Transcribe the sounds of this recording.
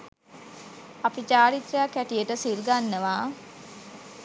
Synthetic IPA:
apit͡ʃaːɾit̪rəjakːæʈijəʈəsilɡanːəʋaː

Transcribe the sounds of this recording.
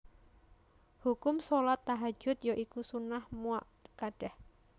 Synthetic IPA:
hukʊmsolat̪ːaɦḁd͡ʒ̥ʊt̪̚joʔikusunahmuaʔ | kaɖ̥ɛh

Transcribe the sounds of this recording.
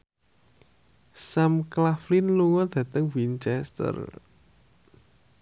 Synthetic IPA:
samklaflinluŋɔd̪̥ä̤t̪əŋwint͡ʃɛst̪ə̰r

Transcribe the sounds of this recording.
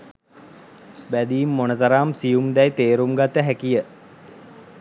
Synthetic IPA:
bæd̪iːmːonət̪əɾaːmsijumd̪ɛjt̪eːɾumɡat̪ːəɦækijə

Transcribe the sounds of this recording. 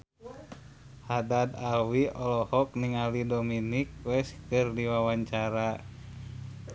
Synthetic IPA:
hadad̪alwiʔɔlɔhɔk̚niŋalidominik̚wɛskɨrdiwawaɲt͡ʃaɾa

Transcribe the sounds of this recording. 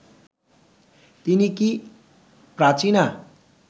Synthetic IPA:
t̪iniki | prat͡sina

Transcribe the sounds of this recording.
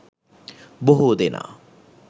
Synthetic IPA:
boɦud̪ɪna̰

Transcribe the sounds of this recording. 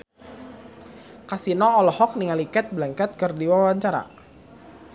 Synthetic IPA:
kasinɔːlɔhɔk̚niŋalikɛt̪̚blaŋkɛt̪̚kɨrdiwawaɲt͡ʃaɾa̰

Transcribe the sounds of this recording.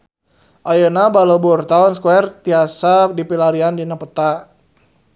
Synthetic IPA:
ʔajənabaləburt̪aɔnskuɛrt̪iasadipilaɾiandinapət̪a

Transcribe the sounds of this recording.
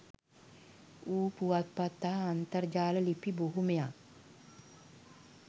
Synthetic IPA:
uːpuwat̪̚pat̪ːaɦəːnt̪ərd͡ʒaːləlipiboɦumeja

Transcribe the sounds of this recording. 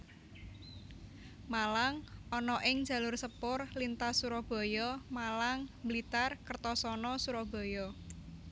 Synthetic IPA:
malaŋʔɔnɔʔɪŋdd͡ʒ̥a̤lʊrsəpʊrlint̪asuɾɔb̥o̤jɔmalaŋməlit̪arkərt̪ɔsɔnɔsuɾɔb̥o̤jɔ

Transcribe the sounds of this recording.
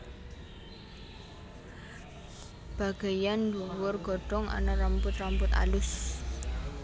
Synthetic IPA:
b̥a̤ɡ̥a̤janduwʊrɡ̥ɔ̤ɖ̥ɔŋa̰nərəmpʊt̪rəmpʊt̪a̰lʊs

